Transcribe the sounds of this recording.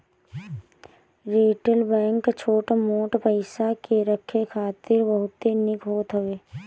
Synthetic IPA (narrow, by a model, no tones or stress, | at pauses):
ɾeːʈəlbɛ̃ːŋkt͡ʃʰoːʈamoːʈpəɪsakeɾəkʰːekʰaːt̪ɪɾbəɦʊt̪ːenɪkɦoːt̪ɦəʋeː